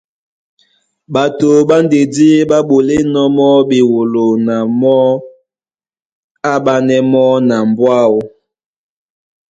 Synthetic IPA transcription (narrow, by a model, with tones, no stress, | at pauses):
ɓa˨to˨ɓa˦nde˨di˦ɓa˦ɓo˨le˦nɔ˦mɔ˦bi˨wo˨lo˨na˨mɔ˦ | a˦ɓa˦nɛ˦mɔ˦na˨mbwa˦wo˨